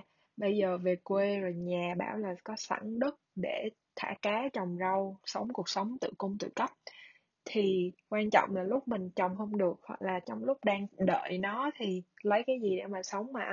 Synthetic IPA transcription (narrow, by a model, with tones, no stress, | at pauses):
ɓə˧jzəː˨˩ve˨˩kwe˧zo˨˩jɲaː˨˩ɓaː˧˩wlaː˨˩kɔ˨˦sa̰˧˩ŋɗɨ˦˥k̚ɗe˧˩ | t̪ʰa̰ː˧˩kaː˨˦t͡ɕɔ˨˩wŋ͡mzə˧wsə˨˦wŋ͡mku˨˩ək̚sə˨˦wŋ͡mt̪ɨ̰˧˨kʊ˧ŋ͡mt̪ɨ̰˧˨kə˦˥p̚ | t̪ʰi˨˩kwaː˧nt͡ɕɔ̰˧˨wŋ͡mlaː˨˩lʊ˦˥k͡p̚mï˨˩ŋ̟t͡ɕɔ˨˩wŋ͡mhə˧wŋ͡mɗɨ˨˩ək̚ha̰˧˨˩k̚laː˨˩t͡ɕɔ˧wŋ͡mlʊ˦˥k͡p̚ɗaː˧ŋɗə̰ː˧˨jnɔ˨˦t̪ʰi˨˩lə˨˦jkaː˨˦jzi˨˩ɗḛ˧˩maː˨˩sə˨˦wŋ͡mmaː˨˩ʔ